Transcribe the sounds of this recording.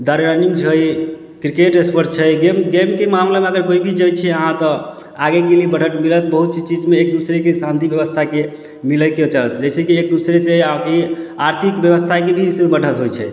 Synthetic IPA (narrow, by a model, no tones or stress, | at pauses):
d̪aɾɾaniŋɡt͡ʃʰəj | kɾikeʈespəɾst͡ʃʰəjɡemɡemkemamlameəɡəɾkoibʱid͡ʒəjt͡ʃʰɛəɦãt̪ɔ | aɡekeliebəɽ̤əʈmilət̪bəɦut̪̚t͡ʃʰit͡ʃid͡ʒmeːk̚d̪usɾekesãnt̪ibjəβəst̪ʰake | miləket͡ʃalət̪ʰd͡ʒəjt͡ʃʰɛkiek̚d̪usɾeseakeaɾt̪ʰikbjəʋəst̪ʰakebʱiɦismebəɽ̤ʱət̪ɦojt͡ʃʰɛ̰